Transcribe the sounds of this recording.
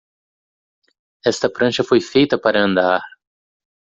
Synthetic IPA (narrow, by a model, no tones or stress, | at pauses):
ɛst̪ɐpɾɐ̃ʃɐfojfejt̪ɐpaɾɐɐ̃nd̪aɾ